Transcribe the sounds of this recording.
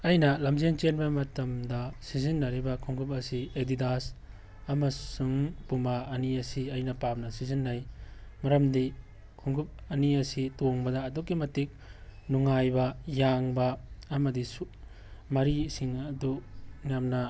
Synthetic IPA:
ɐjnɐlɐmzent͡ʃenbɐmɐtɐmdɐsizinːɐɾibɐkʰuŋɡup̬̚ɐsiedidas | ɐmɐsuŋpumaːniɐsiɐjnɐpap̚nɐsizinːajmɐɾɐmdi | kʰuŋɡup̚ɐniɐsitoŋbɐdɐːdukːimɐtik̚nuŋajbɐjaŋbɐːmɐdisu | mɐɾisiŋɐduŋjamnɐ

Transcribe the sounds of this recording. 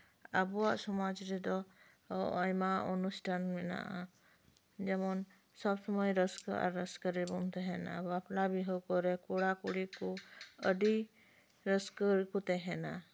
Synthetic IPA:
abɔwaʔsɔmad͡ʒɾɛd̪ɔ | ɔjmaunusʈʰanmɛna̰ʔa | d͡ʒɛmɔn | sɔbsɔmɔjɾəskəa̰ɾːəskəɾɛbɔmt̪ɛɦɛna̰bɔaplabiɦɔkɔɾɛkuɽakuɽikuəɖi | ɾəskəɾkut̪ɛɦɛna

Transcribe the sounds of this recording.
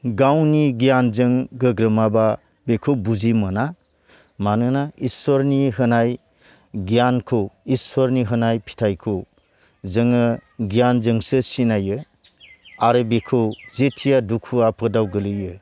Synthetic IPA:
ɡawniɡijanzɯŋɡɯɡɾɯmaba | bekʰowbuzimɯna | manɯnaiswɔɾniɦɯnaj | ɡijankʰoiswɔɾniɦɯnajpʰi̥tʰajkʰow | zɯŋɯɡijanzɯŋsɯsinajɯ | aɾɯbekʰɯwzetʰijadukʰuapʰɯdawɡɯlɯjɯ

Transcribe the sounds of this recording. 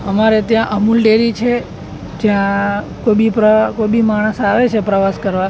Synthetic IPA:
əmaɾet̪jãʔəmulɖeɾit͡ʃʰe | d͡ʒjã | kobipɾəkojbimaɽ̃əsaʋet͡ʃʰepɾəʋaskəɾʋa

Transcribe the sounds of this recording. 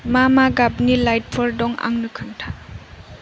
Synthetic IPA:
mamaɡap̚nilajt̚pʰɔɾdɔŋa̰ŋnɯkʰaŋtʰa

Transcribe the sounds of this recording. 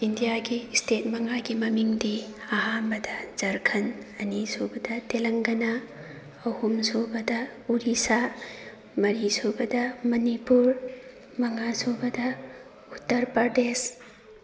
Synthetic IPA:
indijaɡistʰet̚mɐŋaɡimɐmiŋdiaɦambɐdɐzɐɾkʰɐnɐnisobɐdɐtelɐŋɡɐna | ɐhumsobɐdɐuɾisa | mɐɾisobɐdɐmɐnipuɾ | mɐŋasobɐdɐ | utːɐɾpɐɾdes

